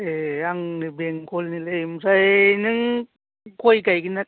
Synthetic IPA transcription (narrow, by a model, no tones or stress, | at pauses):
eaŋnɯbeŋkʰolnilejmusajnɯŋ | kojkajɡinak̚